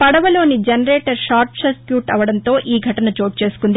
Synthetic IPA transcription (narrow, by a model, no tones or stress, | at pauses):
pɐɽɐʋɐlo̞ːnid͡ʒɐnɐɾeːʈɐɾʃaːɾʈsɐskjuːʈɐʋɐɽɐnt̪o̞ːʔiːɡʱɐʈɐnɐt͡ʃo̞ːʈ̚t͡ʃe̞ːsu̥kund̪i